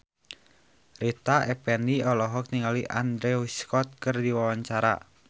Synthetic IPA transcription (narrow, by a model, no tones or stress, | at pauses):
rit̪aʔɛpɛniɔlɔɦɔk̚niŋaliʔa̰nd̪ɾeuskɔt̪̚kɨrdiwawaɲt͡ʃaɾa̰